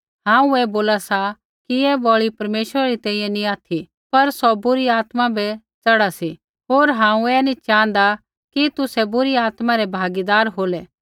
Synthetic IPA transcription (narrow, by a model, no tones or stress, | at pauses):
ɦãːũɛːboːlasa | kiɛbɔːɭipɐɾmeːʃəɾaɾit̪ɛ̃ːĩːjɛ̃nĩaːt̪ʰi | pɐɾsɔbʊɾiaːt̪mãbɛ | t͡sɐɽasi | ɦoːɾɦãːũɛːnĩt͡ʃãːnd̪a | kit̪ʊsɛbʊɾiaːt̪mãɾɛbʱaːɡid̪aːɾɦoːlɛ